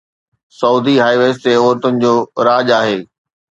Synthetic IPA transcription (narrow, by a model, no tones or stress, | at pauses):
sɐuːd̪iɦaːiʋeːst̪eɔːɾt̪ʊnɪ̆d͡ʑoːɾaːd͡ʑaːɦeː